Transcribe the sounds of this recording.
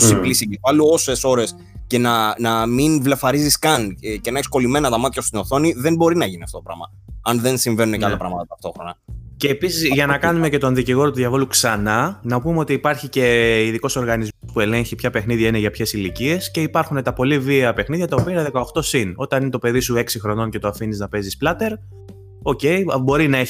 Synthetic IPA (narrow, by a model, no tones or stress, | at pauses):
osiplisiɡifɐluo̞se̞so̞ɾe̞s | ce̞nɐnɐminvle̞fɐɾiziskɐnce̞nɐeksko̞lime̞nɐt̪ɐmɐt̪çɐst̪ino̞θo̞niðe̞mbo̞ɾinɐʝiniɐft̪o̞t̪oɾɐ̰mɐ | ɐnðe̞nsiɱve̞nunecɐlɐpɾɐmɐt̪ɐt̪ɐft̪o̞xɾo̞nɐceːpisizʝɐnɐkɐnume̞ce̞t̪o̞nðiciɣo̞ɾot̪uðʝɐvo̞luksɐnɐnɐpumeo̞t̪iːpɐɾçice̞iðiko̞so̞ɾɣɐnizmospue̞le̞ɲçipçɐpe̞xniðʝɐine̞ʝɐpçe̞silicie̞sce̞ipɐɾxune̞t̪ɐpo̞liviɐpe̞xniðʝɐt̪ɐopiɐnɐðe̞kɐoxt̪o̞sino̞t̪ɐnine̞t̪o̞pe̞ðisue̞ksixɾo̞no̞ncet̪oɐfiniznɐpe̞zisplɐt̪e̞ɾ | o̞ce̞jbo̞ɾinɐe